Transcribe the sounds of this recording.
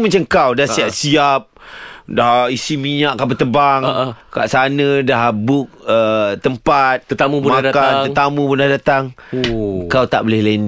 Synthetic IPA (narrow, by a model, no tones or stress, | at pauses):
mãt͡ʃaŋkawdahsiap̚siap̚daisimiɲaʔkapət̪əbaŋka̰ʔsanə̃dahbʊk̚ət̪əmpat̪̚t̪amubumnaadakanət̪amũbunadat̪aŋ | kawt̪aʔbolɛhlan